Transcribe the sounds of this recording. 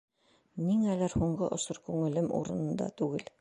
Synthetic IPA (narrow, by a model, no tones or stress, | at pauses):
niŋælæɾhuɴɢɤʔŏsoɾkʉŋɘ̆lɘmṵɾɤ̆nɤ̆nd̪ɑ̰t̪ʉɡɘl